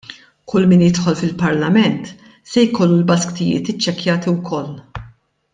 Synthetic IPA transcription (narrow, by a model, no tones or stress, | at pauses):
kʰʊlːmɪːnjɪt̪ħɔlfɪlpɐɾlɐmɛnt̪ | sɛjkɔlːulbɐskt̪ɪjɪ̰ːt̪ɪt͡ʃːɛkjɐːt̪iwkʰɔlː